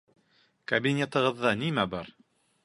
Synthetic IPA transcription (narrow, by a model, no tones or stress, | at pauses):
kabinʲet̪ɤ̆ʁɤ̆ðːɑnimæbɑɾ